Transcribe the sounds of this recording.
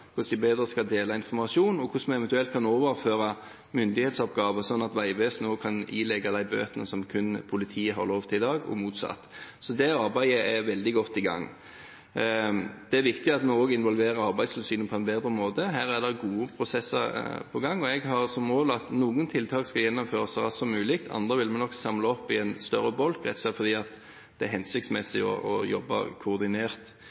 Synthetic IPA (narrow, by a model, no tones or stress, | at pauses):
kʰʊsd̪ɪbeːd̪ɾəskɑld̪eːlɑɪnfɔɾmɑʂuːnɔkʰʊsmɛnɛʋɛnt̪ʉɛlt̪̚kʰɑnoːʋəɾføːɾɑ | mʏnd̪ɪheːt̪sɔpɡɑːʋəsɔnːɑt̪ʋæɪʋeːsnoːkʰɑniːlɛɡɑd̪æɪbø̰ːt̪ənəsɔmkʰʉnpʰʊlɪt̪ʰiːəɦɑ̰ɾloːʋt̪ʰɪlɪd̪ɑːɡɔ̰muːt̪sɑ̰t̪ːsɔd̪ɛɑɾbæɪəæʋɛld̪ɪɡɔt̪ːɪɡɑ̰ŋː | d̪̥ɛæɾʋɪkt̪ɪɑt̪mɔɔːɡɪnʋɔlʋeːʁəɾɑʁbæɪslʉlsyːnnpʰɔɛnbeːd̪ʁəmoːd̪əɦæːɾæd̪ɛɡuːəpʰʁʊsɛsəɾpʰɔɡɑŋːɔɛɡɦɑʁsɔmːoːlɑt̪nuːɡənt̪ʰɪlt̪ʰɑːkskɑljɛnːɔmføːʁəsɑʁɑsɔmːʉːlɪk̚t̪ʰɑ̰nd̪ʁəʋɪlmɛnɔksɑmləɔpːɪɛnst̪œɾːəbɔlkʁɛ̰t̪sɛt̪fɔɾd̪iːɑt̪ | d̪̥ɛæɦɛnsɪkt̪smɛsɪɔ̰ʔɔjɔbːə̰kʰʊːʁd̪ɪneːʁt̪